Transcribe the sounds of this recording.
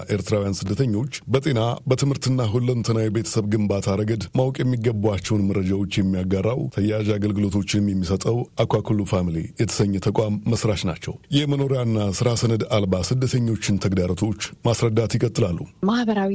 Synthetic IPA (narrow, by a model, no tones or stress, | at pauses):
ʔe̞ɾt̪ʰɨɾawujansɨd̪ːət̪ʰəɲːo̞t͡ʃːbət̪ʼenabət̪ʰɨmhɨɾt̪ɨnːaɦulːənt̪ʰənawibe̞t̪ʰə̥səβɡɨmbat̪ʰaɾəɡəd̪mawkʼjɛmːiɡəbuat͡ʃːɛwnməɾːəd͡ʒawo̞t͡ʃːjɛmːijaɡarːawt̪ʰəjːaʒaɡəlɡɨlo̞t̪ʰo̞t͡ʃːɪnmjɛmːisət̪ʼəwakʷakʰulːufamlejɛt̪ʰə̥səɲːɛt̪ʰəkʼamːəsɾaʃna̰t͡ʃːɛ̰wjɛməno̞ɾijanːasɨɾasənəd̪albasɨd̪ːət̪ʰəɲːo̞t͡ʃːɪnt̪ʰəɡd̪aɾot̪ʰo̞t͡ʃːmasɾəd̪ːat̪jɪkʼət̪ʼːɨlalːumahbəɾawi